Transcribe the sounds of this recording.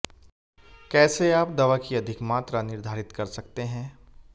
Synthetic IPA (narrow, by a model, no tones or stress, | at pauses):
kɛːseaːpd̪ɐʋakiɐd̪ʱɪkmaːt̪ɾanɪɾd̪ʱaːɾɪt̪kɐɾsɐkt̪eɦɛ̃ː